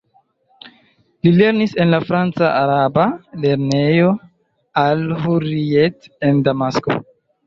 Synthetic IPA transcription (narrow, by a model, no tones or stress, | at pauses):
lile̞ɾnise̞nlafɾant͡saʔaɾabale̞ɾne̞jo̞ | alɦuɾiete̞ndamasko̰